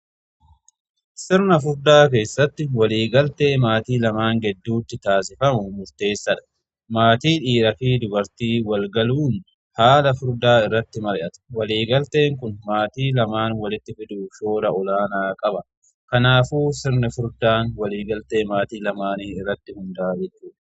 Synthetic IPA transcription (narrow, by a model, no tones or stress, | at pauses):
sɪɾnɐfʊɾd̪aːke̞ːsːɐt̪ːɪwɐliːɡɐlt̪e̞ːmaːt̪iːlɐmaːŋɡɛd̪ːuːt̪ːɪt̪aːs̬ɪfɐmʊmʊɾt̪e̞ːsːɐᶑɐ̥ | maːt̪iːᶑiːɾɐfiːd̪ʊbɐɾt̪iːwɐlɡɐluːn | haːlɐfʊɾd̪aːɪrːɐt̪ːɪmɐɾɪʔɐt̪ɐ̥wɐliːɡɐlt̪e̞ːŋkʊnmaːt̪iːlɐmaːnwɐlɪt̪ːɪfɪd̪uːʃo̞ːɾɐɔlaːnaːkʼɐbɐ | kɐnaːfuːsɪɾnɐfʊɾd̪aːnwɐliːɡɐlt̪e̞ːmaːt̪iːlɐmaːniːɪrːɐt̪ːɪhʊnd̪aːd͡ʒɛt͡ʃːuːᶑɐ̥